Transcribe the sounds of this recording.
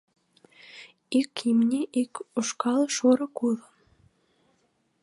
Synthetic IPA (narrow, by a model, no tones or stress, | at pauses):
ikimnʲeʔikoʃkɑlʃoɾɤ̆kuðə